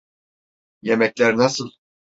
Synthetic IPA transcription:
jemɛcʲlʲæɾnasɯlˠ

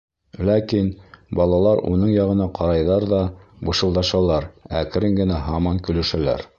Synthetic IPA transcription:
lækinbɑlˠɑlˠɑɾṵnɤɴjɑʁɤ̆nɑqʰɑɾɑjðɑɾðɑbɤ̆ʃɤ̆lˠd̪ɑʃɑlˠɑɾæk̆ɾɘŋɡɘ̆næɦɑmɑŋkɵ̆lɵ̆ʃælæ̰ɾ

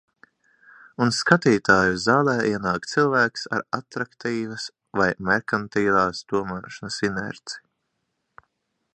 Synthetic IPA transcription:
unskat̪iːt̪aːjuzaːlˠɛːʔiɛnaːkt̪silˠvæːksa̰ɾat̪ɾakt̪iːvɐs | vajmɛɾkant̪iːvaːsd̪̥uɔmaːʃanɐsinɛ̰ɾt̪si̥

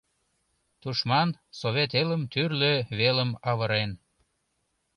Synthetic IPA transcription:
t̪uʃmɑnsoβet̪eləmt̪yrløβeləmɑβəɾen

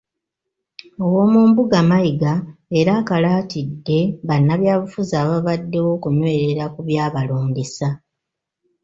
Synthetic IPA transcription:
o̞wo̞ːmuːmbuɡamajiɡaeɾaːkalaːtidːe̞βanːaβjaːβufuzaːβaβadːe̞wo̞ːkunwe̞ːɾe̞ɾakuβjaːβaloːndisa

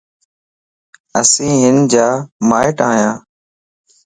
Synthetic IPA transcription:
ə̰sĩːɦɪnd͡ʒaːmaːɪʈaːɦjãː

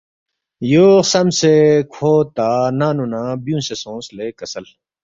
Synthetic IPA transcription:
joːsɐmsekʰoːt̪aːnaːnunaːbjũːnsesõːsleːkɐsɐl

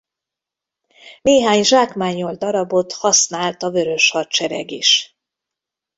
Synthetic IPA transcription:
neːɦaːɲʒaːkmaːɲːo̞ld̪ɒɾɒbo̞t̪hɒsnaːlt̪ɒvø̞ɾø̞ʃhɒt̪t͡ʃɛɾɛ̰ɡiʃ

